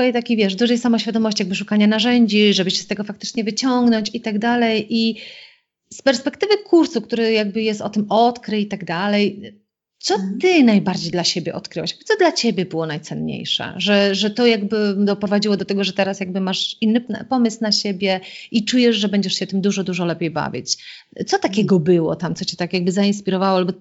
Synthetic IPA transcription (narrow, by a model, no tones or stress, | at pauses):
ɔjɛt̪akʲivʲjɛʐd̪uʐɛjsamɔɕfʲjad̪ɔmɔɕt͡ɕiaɡ̚bɘʂukaɲanaʐɛɲd͡ʑiʐɛbɘɕɛ̥st̪ɛɡɔfakt̪ɘ̥t͡ʂɲɛvɘt͡ɕɔŋɡnɔɲt͡ɕit̪aɡd̪alɛjʔi | spɛɾspɛkt̪ɘvɘkʰuɾsuk̚t̪uɾɛjaɡ̚bɘjɛst̪ɔt̪ɘmɔt̪kɾɨit̪aɡd̪alɛj | t̪sɔt̪ɘnajbaɾd͡ʑejd̪laɕebʲjɛʔɔt̪kɾɨwaɕjaɡbt̪ɔd̪lat͡ɕebʲjɛbɘwɔnajt̪sɛnɲḛjʂɛ̰ʐɛʐɛt̪ɔjaɡbɘd̪ɔpɾɔvad͡ʑiwɔd̪ɔt̪ɛɡɔʐɛt̪ɛɾasjaɡ̚bɘmaʂinːɘpɔmɘsnaɕebʲjɛit͡ʂujɛʂʐɛbɛɲd͡ʑɛʂɕɛt̪ɘmd̪uʐɔd̪uʐɔlɛpʲejba̰vʲjḭt͡ɕ | t̪sɔt̪akʲɛɡɔbɘwɔ̰t̪amt̪sɔt͡ɕɛ̥t̪akjaɡ̚bɘzainspʲiɾɔvawɔalbɔ